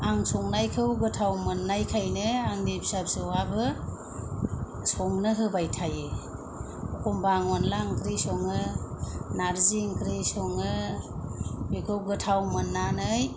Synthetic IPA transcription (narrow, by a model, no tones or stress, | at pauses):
aŋsɔŋnajkʰɯwɡɯtʰawmɯnːajkʰajnɯaŋnibsapsɯwabɯ | sɔŋnɯɦɯbajtʰaje | ɔkɔmbaŋɔnlaŋkʰɾisɔŋɯ | naɾziŋkʰɾisɔŋɯ | ekʰɯwɡɯtʰawmɯnːanɯj